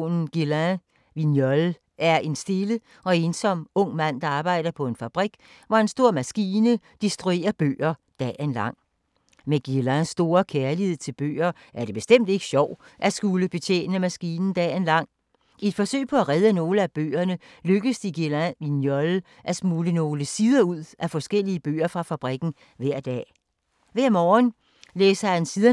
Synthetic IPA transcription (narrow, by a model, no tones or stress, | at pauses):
nn̩ɡ̥ilæ | ʋinjɒl | æɐe̝nsd̥e̝lə | ɒ̽e̝ːnsɒ̽m̰ɔ̽ŋ̰mæn̰d̥ɑ̈ɑ̈ːb̥ɑ̈ɪ̰ɾ̥ɐpʰɒ̽e̝nfæb̥ʁiɡ̥ | ʋɒe̝nsd̥o̝ɐ̰mæsɡ̥iːnə | d̥isd̥ʁue̝̰ːɐb̥ø̰ːɐd̥ɛ̰enlɑ̈ŋ̰ | meɡ̥ilæsːd̥o̝ːɐkʰeɐlihe̝ð̞̰ˠt͡sʰe̝lb̥ø̰ːɐ | ʔæɐd̥e̝b̥e̝sd̥em̰d̥e̝ɡ̥ə̥ɕɒʊ̰ʔæsɡ̥uləb̥e̝t͡sʰḛːnəmæsɡ̥iːnn̩d̥ɛ̰ːenlɑ̈ŋ̰ | ie̝d̥fɒ̽sø̰ɪ̰pʰɒ̽æʁɛð̞ˠəno̝ːləæb̥ø̰ːɐnə | løɡ̥əðsd̥iɡ̥ilæʋinjɒl | ʔæsmuːləno̝ːləsiːð̞ˠɐuð̰ˠæfɒ̽sɡ̥el̰iəb̥ø̰ːɐfʁɑ̈fæb̥ʁiɡ̥n̩ | ʋæɐ̰d̥ɛ̰ː | ʋæɐmɒːn | leːsɐhænsiðˠɐ